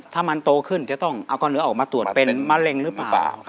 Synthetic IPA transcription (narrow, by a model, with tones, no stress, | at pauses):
t̪ʰaː˥˩ma˧nt̪oː˧kʰɯ˥˩nt͡ɕaː˨˧˩t̪ɔ˥˩ŋʔa˧wkɔː˧˩nɯ˦ɐʔɔː˨˩k̚maː˧t̪u˨˩ət̪̚pe˧nmaː˧˥le˧ŋɾɯː˦˥pːa̰ː˩˨˩w